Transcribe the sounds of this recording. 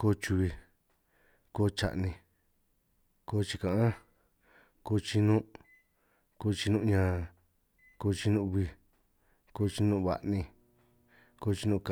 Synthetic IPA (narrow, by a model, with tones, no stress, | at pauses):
ko˧˦t͡ʃu˧βi˧ | ko˧t͡ʃa̰˨ʔnĩ˧ | ko˧˦t͡ʃi˧kã˨ʔã˦ | koː˧t͡ʃi˧nũ˦ | ko˧t͡ʃi˧nũ˦˧ɲã˧ | koː˧t͡ʃi˧nũ˦˧βi˧ | ko˧t͡ʃi˧nũ˦˧βa̰˧ʔnĩ˧ | ko˧˦˧t͡ʃi˧nũ˦˧k